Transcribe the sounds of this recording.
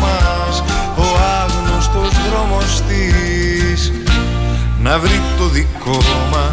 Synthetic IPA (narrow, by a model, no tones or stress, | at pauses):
mɐ | s | oɐɣnost̪ozðɾomost̪i | s | nɐvɾit̪oðikomɐ